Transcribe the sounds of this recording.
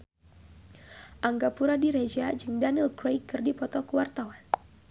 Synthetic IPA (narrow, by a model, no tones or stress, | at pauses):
ʔaŋɡapuɾadiɾed͡ʒad͡ʒɨŋdanilkɾejkːɨrdipɔt̪ɔkəwart̪awan